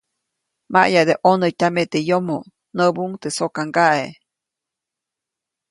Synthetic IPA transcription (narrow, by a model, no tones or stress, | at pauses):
ma̰ʔjad̪eʔonət̪ʲamet̪ejomo | nəbuŋt̪esokaŋɡaʔe